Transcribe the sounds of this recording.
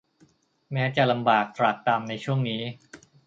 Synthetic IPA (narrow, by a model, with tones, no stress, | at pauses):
mɛː˦˥t͡ɕa˨˩la˧mbaː˨˩k̚t̪ɾa˨˩t̪ːaː˧mna˧jt͡ɕʰu˥˩əŋniː˦˥